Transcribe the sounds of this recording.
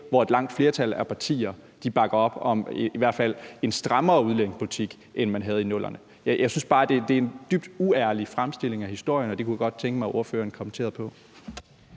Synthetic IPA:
ʋɒe̝d̥lɑ̈ŋ̰d̥fle̝ɐt͡sʰælæɐpʰɑ̈t͡sʰḭːɐ | d̥ib̥ɑ̈ɡ̥ɐɒ̽b̥ɒ̽miʋæɐd̥fæl̰e̝nsd̥ʁɑmɐːuðˠleneŋspʰolit͡sʰiɡ̥ | ʔenmænɦæð̞̩ˠinɔ̽l̰ɐnə | jjɑ̈ɪsynsb̥ɑ̈ːd̥e̝d̥e̝æɐend̥yb̥̚d̥uæɐlifʁamsd̥e̝le̝ŋæhisd̥o̝ɐ̰jənɒ̽d̥e̝kʰujæɡ̥ɒ̽d̥̚t͡sʰeŋɡ̥əmɑʔo̝ɐføːɐnkʰɒ̽mən̩t͡sʰe̝̰ːɐðˠpʰɒ̽

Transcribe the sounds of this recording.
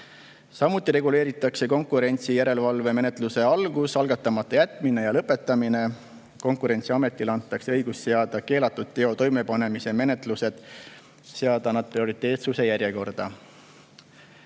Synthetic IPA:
sɑmut̪ˑːiɾe̞ɡ̥ule̞ːɾit̪ˑːɑkse̞ko̞ŋkuɾe̞nʲt̪sijæɾe̞lvɑlve̞me̞net̪luse̞ɑlɡ̥usɑlɡ̥ɑt̪ːˑɑmɑt̪ːˑɑjæt̪ːˑmine̞jɑlɤpːˑe̞t̪ːˑɑmine̞ | ko̞ŋkˑuɾe̞nʲt̪siɑme̞t̪ːˑilɑnt̪ːˑɑkseɤjɡ̥usseɑd̪̥ɑke̞ːlɑt̪ːˑud̪̥̚t̪ːe̞o̞t̪o̞jme̞pɑne̞mise̞me̞ne̞t̪ˑluse̞d̪̥ | seɑd̪ɑnɑd̪̚pɾio̞ɾit̪ˑːe̞ːt̪suse̞jæɾje̞ko̞rd̪̥ɑ̰

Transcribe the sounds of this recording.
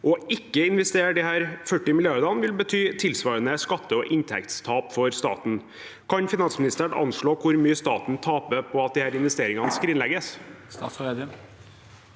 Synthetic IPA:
ʔɔɪkːəɪnʋɛst̪eːɖɪhæːɾfœʈːɪmɪlɪɑɾd̪ɑnʋɪlbət̪ʰyːt̪ʰɪlsʋɑːɾənəskɑt̪ːəɔʔɪnt̪ʰɛ̰kt̪st̪ʰɑːpfɔɾst̪ɑ̰ːt̪n̩ | kʰɑnfɪnɑnsmɪnɪst̪əæəɳɑ̰nʂɭoːkʰʊɾmyːəst̪ɑ̰ːt̪n̩t̪ʰɑːpəpʰɔɑt̪̚d̪ɪhæːɾɪnʋɛst̪eːɾɪŋɑnəskɾɪnlɛɡəs | st̪ɑ̰ːt̪sɾed̪ɪn

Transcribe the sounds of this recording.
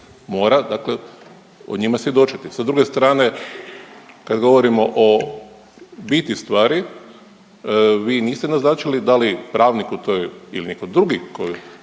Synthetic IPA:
mo̞ːɾad̪akle | o̰ɲimasjed̪o̞t͡ʃit̪isad̪ɾuɡe̞st̪ɾaːne̞ | kad̪ɡo̞ʋoɾimo̞ʔo | bit̪ist̪ʋaːɾi | ʋiːniːst̪ɛnaznaːt͡ʃilid̪alipɾaːʋnikut̪ojḭlinikod̪ɾuɡikoju

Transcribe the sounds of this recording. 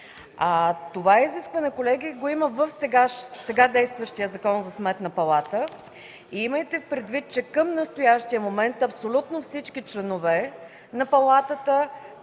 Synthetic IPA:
at̪ovaiziskvɐnɛkolɛɡiɡoiməvəfsɛɡaʃsɛɡad̪ɛjst̪vəʃt̪ijəzɐkɔnzɐsmɛt̪nɐpɐlˠat̪ə | iiməjt̪ɛpɾɛd̪vit̪̚t͡ʃɛkəmnəst̪ojaʃt̪ijəmomɛnt̪ɐpsolʲut̪nofsit͡ʃkit͡ʃlɛnovɛ | nɐpɐlˠat̪ət̪ə

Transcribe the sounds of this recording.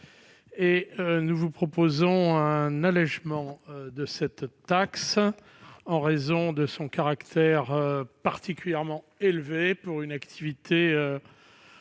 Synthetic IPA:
eønuvupχɔpozɔ̃ɛ̃nalɛʒmɑ̃ød̪əsɛt̪ː | aks | ɑ̃ʁezɔ̃d̪əsɔ̃kaʁakt̪ʰɛʁøpaʁt̪ikʲyljɛʁmɑ̃ | elvepuʁynakt̪ʰivit̪ʰeø

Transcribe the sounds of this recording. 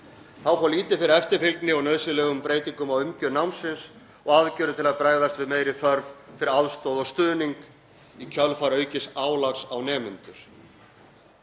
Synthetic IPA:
θawfɔliːt̪ɪfɪɾɪɾɛft̪ɪɾfɪlknɪɔnœːðsɪlɛːɣʏmpɾeːjt̪iŋkʏmawʏmcœnawmsɪns | ɔɣaðcœːɾðʏt̪ʰɪlaðpɾaːjðast̪vɪðmejɾɪθœɾvfɪɾɪɾaðst̪owðɔɣst̪ʏːniŋk | icʰœlfaɾœːɥcɪsaːwlaksawnɛːmʏnt̪ʏɾ̥

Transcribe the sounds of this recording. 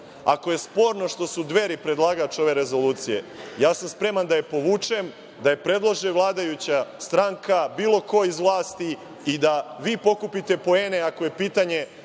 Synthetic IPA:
a̰ko̞je̞spo̞ːɾno̞ʃt̪o̞sud̪ʋe̞ɾipɾe̞d̪lˠaːɡat͡ʃo̞ʋe̞ɾe̞zo̞lˠuːt̪sije̞̰jaːsamspɾe̞mand̪ajepo̞ʋuːt͡ʃe̞m | d̪aje̞pɾe̞d̪lˠoʒeʋlˠaːd̪ajut͡ɕast̪ɾaŋkabiːlˠo̞ko̞izʋlˠaːst̪iː | d̪aʋiːpo̞kupit̪e̞po̞e̞ːneakoje̞piːt̪aɲe̞

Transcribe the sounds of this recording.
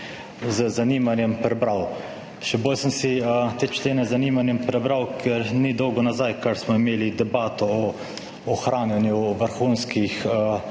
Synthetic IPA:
zəzaniːmanjɛmpɾɛbɾaw | ʃɛboːlsəmsiət̪eːt͡ʃleːnɛzaniːmanjɛmpɾɛbɾawkʰɛɾnid̪ɔwɡɔnazajkaɾsmɔimeːlid̪ɛbaːt̪ɔɔː | xɾaːnjɛnjuʋəɾxuːnskixə

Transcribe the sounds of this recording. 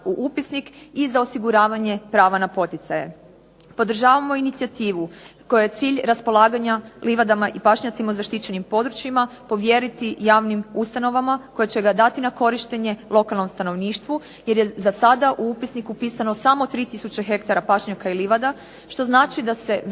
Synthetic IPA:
uʔupisnikizao̞siɡuɾaːʋaɲe̞pɾaːʋanapo̞t̪it̪sajḛ | po̞d̪r̩ʒaːʋamo̞init̪sijat̪iːʋuko̞jujet̪siːʎɾaspo̞lˠaːɡaɲaliʋad̪amaʔipaʃɲat̪simauzaʃt̪it͡ɕe̞nimpo̞d̪ɾut͡ɕjimapo̞ʋje̞ɾit̪ijaːʋnimust̪ano̞ʋamako̞jet͡ɕe̞ɡad̪at̪inako̞ɾiʃt̪eɲe̞lˠo̞kalˠno̞mst̪ano̞ʋniːʃt̪ʋu | je̞ɾjezasad̪aʔuupisnikupiːsanosamo̞t̪ɾiːt̪isut͡ɕexe̞kt̪aɾapaʃɲakailiʋad̪a | ʃt̪o̞znaːt͡ʃid̪ase̞

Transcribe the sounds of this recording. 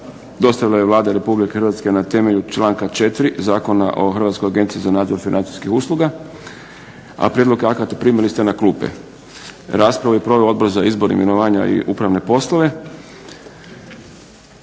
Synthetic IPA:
d̪o̞st̪aʋilajeʋlˠaːd̪aiɾe̞publikexɾʋat̪ske̞nat̪e̞me̞ʎut͡ʃlaːŋkat͡ʃe̞t̪ɾizaːko̞na̰ʔo̞xrʋat̪skojaɡe̞nt̪sizanaːd̪zo̞ɾfinʔant̪si̥skixuːslˠuɡa | a̰pɾʲjed̪lo̞keakat̪epɾiːmilist̪enakluːpḛ | ɾaːspɾaʋujepɾo̞ʋeood̪̚bo̞ɾzaizbo̞ɾnḭmjenoʋaːɲa̰ḭʔupɾaʋne̞po̞slˠoʋe̞

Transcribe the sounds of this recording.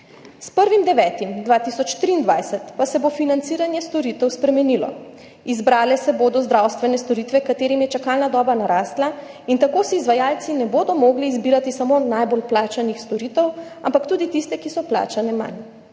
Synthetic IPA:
spəɾʋimd̪ɛʋɛːt̪imd̪ʋaːt̪isɔt͡ʃt̪ɾiːnd̪ʋajsɛt̪pasɛbofinant̪siːɾanjɛst̪ɔɾit̪ɛwspɾɛmɛnilɔ̰ | izbɾaːlɛsɛboːd̪ɔzd̪ɾawst̪ʋɛnɛst̪ɔɾiːt̪ʋɛkat̪eːɾimjɛt͡ʃakaːlnad̪ɔːbanaɾaːst̪la | int̪akoːsiizʋajaːlt̪sinɛboːd̪ɔmoɡliːzbiːɾat̪isamonajbolplaːt͡ʃanixst̪ɔɾit̪ɛw | ampakt̪uːd̪it̪ist̪ɛkisɔpla̰ːt͡ʃanɛma̰n

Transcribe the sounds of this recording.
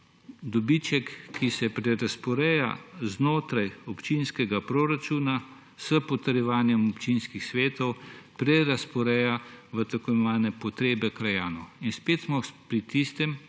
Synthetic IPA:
d̪ɔbit͡ʃɛkːisɛpɾɛɾaspɔɾɛːja̰znoːt̪ɾajɔpt͡ʃinskɛɡapɾoɾat͡ʃuːna | səpɔt̪əɾjɛʋaːnjɛmɔpt͡ʃinskixsʋeːt̪ɔwpɾɛɾaspɔɾɛjaʋət̪ɐkɔɛʋaːnɛpɔt̪ɾeːbɛkɾajaːnɔinspeːt̪smɔpɾit̪ist̪ɛm

